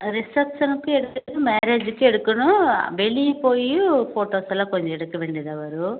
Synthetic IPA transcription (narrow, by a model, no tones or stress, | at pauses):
ɾisɐpʂɐnkueɽukud̪umɛːɾeːd͡ʒkieɽukːunubelipoːjupʰoːʈoːsɐlːoːkoɲt͡ʃɛɽɐkːiʋeɳɖid̪ɐʋɐɾu